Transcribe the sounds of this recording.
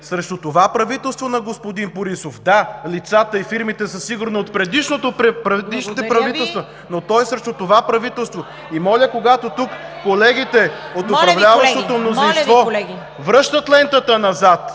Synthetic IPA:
sɾɛʃt̪ot̪ovapɾɐvit̪ɛlˠst̪vonɐɡospod̪inpoɾisofd̪alit̪sat̪əifiɾmit̪ɛsəsiɡʊɾniot̪pɾɛd̪iʃnot̪oɾɛpɾɐvd̪iʃnit̪ɛpɾɐvit̪ɛlˠst̪vɐ | not̪ɔjsɾɛʃt̪ʊt̪ovapɾɐvit̪ɛlˠst̪vo | imɔlʲəkoɡat̪ot̪ukːolɛɡ̟it̪ɛot̪ʊpɾɐvlʲavɐʃʃt̪ot̪omnozĩnst̪vɔ | vɾɤʃt̪ət̪lɛnt̪ət̪ənɐzat̪

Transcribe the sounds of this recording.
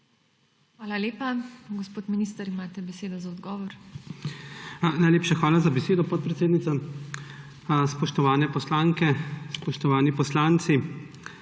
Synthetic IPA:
xʋaːlaleːpaɡɔspoːt̪miniːst̪ɐɾimaːt̪ɛbɛseːd̪ɔzaɔd̪ɡɔːʋɔɾ | najleːpʃaxʋaːlazabɛseːd̪ɔpɔt̪̚pɾɛt̪seːd̪nit̪sa | spɔʃt̪ɔʋaːnɛpɔslaːŋkɛspɔʃt̪ɔʋaːnipɔslaːnt̪si

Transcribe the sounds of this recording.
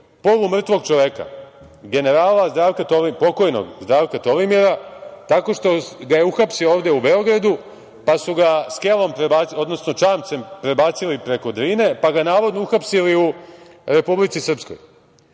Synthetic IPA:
po̞ʋumr̩t̪ʋo̞ɡt͡ʃoʋeka̰ | ɡe̞ne̞ɾaːlazd̪ɾaːʋkat̪oʋipo̞ko̞jno̰ɡzd̪ɾaːʋkat̪o̞ʋimiɾat̪ako̞ʃt̪o̞ɡajeuxapsio̞ːʋd̪e̞ube̞o̞ɡɾad̪u | pasuɡaske̞lˠo̞mpɾebaod̪no̞sno̞t͡ʃaːmt̪se̞mpɾe̞baːt̪silipɾe̞ko̞d̪ɾiːne̞paɡanaːʋo̞d̪nouxapsiliu | ɾe̞publit̪isr̩psko̞̰j

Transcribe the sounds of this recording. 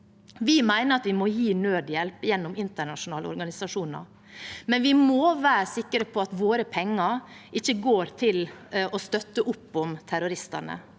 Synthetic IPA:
ʋɪmæɪnəɾɑt̪ʋɪmɔjiːnøːd̪jɛlpjɛnːʊmɪnt̪əɳɑʂʊnɑːlə̰ɔ̰ɾɡɑnɪsɑʂuːnə̰ɾ | mɛnʋɪmoʋæːɾəsɪkːəɾəpʰɔɑt̪ʋoːɾəpʰɛŋːəɾʔɪçːəɡoːɾt̪ʰɪlɔst̪œt̪ːəʔʊpːʊmt̪ʰæɾʊɾɪst̪ənə̰

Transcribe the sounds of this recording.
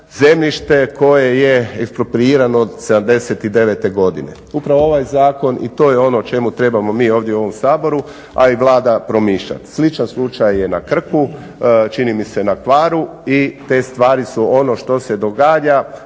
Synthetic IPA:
ze̞mʎiʃt̪e̞ko̞je̞jeekspɾopɾiiːɾanoːd̪se̞d̪amd̪e̞se̞t̪id̪e̞ʋe̞t̪e̞ɡo̞d̪ḭne̞̰ | upɾaʋooʋajzaːko̞nʔḭt̪o̞ːjeo̞no̞t͡ʃe̞mut̪ɾe̞bamo̞miːo̞ːʋd̪jeuo̞ʋo̞msaːbo̞ɾu | a̰iʋlˠaːd̪apɾo̞miːʃʎa̰t̪slit͡ʃanslˠut͡ʃajːe̞nakr̩ku | t͡ʃinimise̞nakʋaːɾuit̪e̞ːst̪ʋaːɾisuo̞no̞ʃt̪o̞se̞d̪o̞ɡaːʎa

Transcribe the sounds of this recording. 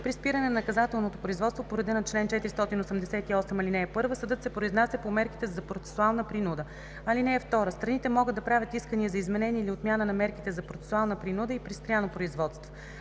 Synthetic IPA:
pɾispiɾənɛnɐnɐkɐzat̪ɛlˠnot̪opɾoizvɔt̪st̪vopoɾɐd̪ɛnot̪̚t͡ʃlɛnt͡ʃɛt̪iɾist̪ɔt̪inosɛmd̪ɛsɛt̪iɔsɛmɐlinɛːpɤɾvəsəd̪ɤt̪sɛpɾoiznasɛpomɛɾki̥t̪ɛzɐpɾot̪sɛ̥sualˠnəpɾinud̪ə | ɐlinɛːft̪ɔɾəst̪ɾɐnit̪ɛmɔɡəd̪d̪ɐpɾavʲət̪iskəniɛzɐizmɛnɛniɛiliot̪mʲjanənɐmɛɾkit̪ɛzɐpɾot̪sɛ̥sualˠnəpɾinud̪əipɾistpɾʲjanopɾoizvɔt̪st̪vo

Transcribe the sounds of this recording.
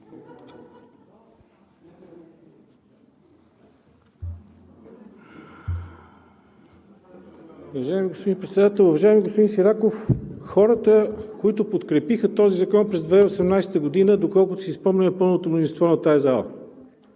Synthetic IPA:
ʊvɐʒaɛmiɡospod̪ipɾɛt̪sɛd̪at̪ɛlˠʊvɐʒaɛmiɡospod̪insiɾakofxɔɾət̪əkoit̪ʊpot̪kɾɛpixət̪ɔzizɐkɔnpɾɛzd̪vɛosɛmnajsɛ̥t̪əɡod̪inəd̪okɔlˠkʊt̪osispɔmnʲɐmɛpɤlˠnot̪omnozʲinst̪vɔnɐt̪ajɐzalˠə̰

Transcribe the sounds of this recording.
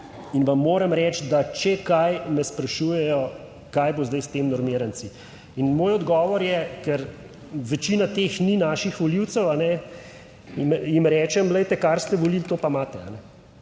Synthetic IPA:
inʋamːoːɾɛmɾɛːt͡ʃd̪at͡ʃɛkajmɛspɾɐʃuːjɛjɔ | kajbozd̪ajst̪eːmnɔɾmiːɾant̪si | inmoːjɔd̪ɡɔːʋɔɾjɛkɛɾ | ʋɛt͡ʃinat̪eːxninaːʃixʋɔliwt̪sɛwanɛ | mjimɾɛːt͡ʃɛmlɛjt̪ɛkaɾst̪ɛʋɔlilt̪oːpamaːt̪ɛa̰nɛ

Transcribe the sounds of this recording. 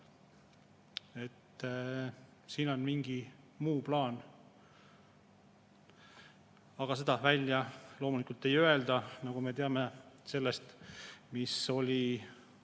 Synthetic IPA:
e̞t̪ː | siːno̞nmiŋɡ̥i | muːplɑːn | ɑɡ̥ɑse̞d̪ɑvælʲjɑlo̞ːmulikult̪ːe̞jø̞e̞ld̪ɑnɑɡ̥umet̪eɑme̞se̞lːe̞st̪miso̞lʲi

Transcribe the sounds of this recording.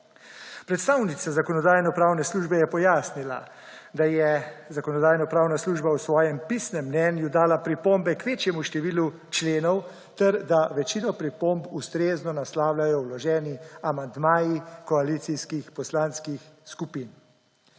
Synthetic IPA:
pɾɛt̪st̪aːwnit̪sazakɔnɔd̪aːjnɔpɾaːwnɛsluːʒbɛjɛpɔjaːsnila̰ | d̪ajɛzakɔnɔd̪aːjnɔpɾaːwnasluːʒbawsʋɔːjɛmpisnɛmːnɛːnjud̪aːlapɾipombɛkʋeːt͡ʃjɛmuʃt̪ɛʋiːlu | t͡ʃleːnɔw | t̪ɛɾd̪aʋɛt͡ʃiːnɔpɾipombust̪ɾeːznɔnaslaːwlʲajɔwlɔʒɛːniamand̪maːjikɔalit̪siskixpɔslaːnskixskupiːn

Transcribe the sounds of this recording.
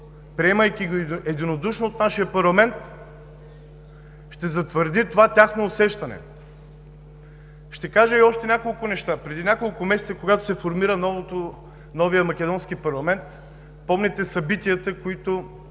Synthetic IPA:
pɾiɛməjkiɡɛd̪inod̪uʃnoːt̪naʃijəpɐɾlˠɐmɛnt̪ | ʃt̪ɛzɐt̪vəɾd̪it̪ovat̪ʲaxnoːsɛʃt̪ɐnɛ̰ | ʃt̪ɛkaʒəiɔʃt̪ɛnʲakolˠkʊnɛʃt̪apɾɛd̪inʲakolˠkʊmɛsɛ̥t̪əkoɡat̪ʊ̥sɛfoɾmiɾənɔvot̪o | nɔvijəmɐkʲɛd̪ɔnskipɐɾlˠɐmɛnt̪ | pɔmnɛt̪ɛsɐbit̪iət̪əkoit̪ʊ

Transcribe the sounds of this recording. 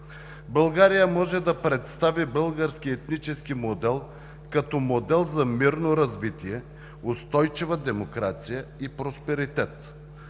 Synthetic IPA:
bəlˠɡaɾijəmɔʒɛd̪ɐpɾɛt̪st̪avibɤlˠɡəɾsk̟iɛt̪nit͡ʃɛskimod̪ɛlˠ | kɐt̪ɔmod̪ɛlˠzɐmiɾnoɾɐzvit̪iɛ | ost̪ɔjt͡ʃivɐd̪ɛmokɾat̪sijəipɾospɛɾit̪ɛt̪

